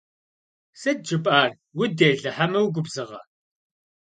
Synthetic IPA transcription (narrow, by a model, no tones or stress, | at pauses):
sɐd̚d͡ʒɨpʼaːr | wʊdeːɮɐħamɐwɡʷʊbzɨʁɐ̰